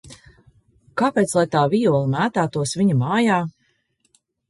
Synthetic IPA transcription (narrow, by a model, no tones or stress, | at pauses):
kaːpeːt̪slˠajt̪aːvijuɔlˠimæːt̪aːt̪uɔsviɲumɑːjaː